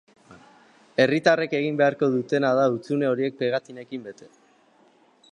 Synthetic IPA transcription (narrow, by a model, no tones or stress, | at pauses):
e̞rit̪areke̞ɣ̞imbe̞aɾko̞ðut̪e̞nað̞aut͡sune̞o̞ɾie̞k̚peɣat̪ine̞kimbe̞t̪e̞